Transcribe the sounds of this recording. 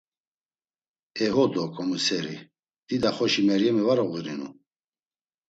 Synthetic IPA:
ɛɦɔd̪ɔkʼɔmusɛɾḭ | d̪̥id̪aχɔʃimɛɾjɛmɛvaɾɔɣiɾinṵ

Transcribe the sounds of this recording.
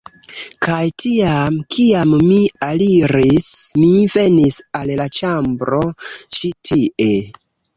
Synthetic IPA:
kʰajtiamkʰiamːialiɾismive̞nisallat͡ʃambɾo̞t͡ʃitʰiʔe̞

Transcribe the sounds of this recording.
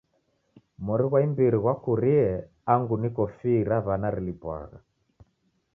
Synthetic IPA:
mɔɾiɣwaimbiɾiɣwakuɾiɛ | aŋɡunikɔfiɾaβanaɾilipwa̰ɣa̰

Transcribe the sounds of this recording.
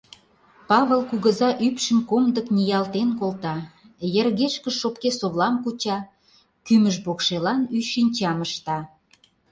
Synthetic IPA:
pɑβəlkuɣə̆zɑʔypʃə̆mkomd̪əknijɑlt̪enkolˠt̪ɑ | jə̆rɣeʃkə̆ʃop̚kesoβlɑmkut͡ɕɑ | kyməʒbokʃelɑnyʃinʲt͡ɕɑməʃt̪ɑ

